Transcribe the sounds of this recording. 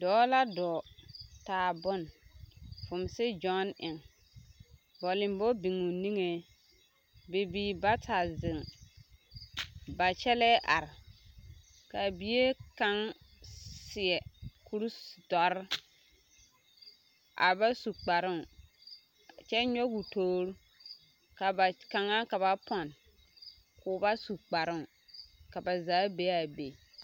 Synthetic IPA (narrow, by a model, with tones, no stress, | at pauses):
dɔː˨˦la˦dɔː˨taː˨bʊ˦n | fʊ˨msɪ˦d͡ʒɔ˦nɪ˨ŋ | bɔ˨lɪ̃˨mbɔ˦bi˨ŋu˨ni˦ŋe˦ | be˨biː˨ba˦tʰa˨zɪ˨ŋ | ba˨t͡ʃɛ˦lɛ˦ʔa˨ɾɪ˨ | ka˨bi˦e˦ka˦ŋ | sɪ˨ɛ˨kʰu˦ɾdɔ˨ɾɪ˦ | ʔa̰˨ba˦su˨k͡pa˨ɾɪ˦˨ | t͡ʃɛ˦ɲɔ˦ɡu˨toː˦ɾu˦ | ka˨ba˨ka˨ŋa˦ka˨βa˨pɔ˨n | kʊː˨˦ba˦su˨k͡pa˨ɾɪ˦ŋ˨ | ka˨ba˨zaː˨˦be˦a˨be˨